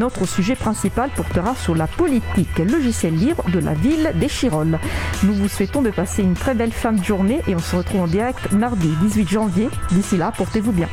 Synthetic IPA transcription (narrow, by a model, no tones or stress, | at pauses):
nɔt̪χəsyʒɛpχɛ̃sipalpɔʁt̪əʁasyʁlapɔlit̪iklɔʒisjɛlːibʁd̪əla̰vild̪eʃiʁɔlnuvuswɛt̪ɔ̃d̪əpaseynt̪χɛbɛlfɛ̃d̪əʒuʁneʔeɔ̃səʁət̪χuvɑ̃d̪iʁɛk̚t̪maʁd̪id̪izɥit̪ʒɑ̃vjed̪isilapɔʁt̪evubjɛ̃